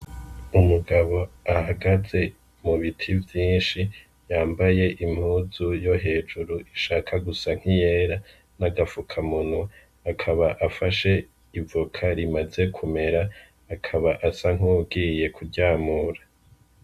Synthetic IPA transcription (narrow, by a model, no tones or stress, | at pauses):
umuɡaβo̞ahaɡaze̞ | muβitʰivjiːnʃi | jaːmbaje̞ʔim̥huːzujo̞ɦe̞ːd͡ʒuɾuʔiʃaːkʰaɡusaŋ̥hije̞ːɾa | naɡafukʰamunu | akʰaβaʔafaʃe̞ | ivukʰaɾimaze̞kʰume̞ɾaː | kʰaβaʔasaŋ̥uːɡije̞kʰuɾɟaːmuːɾa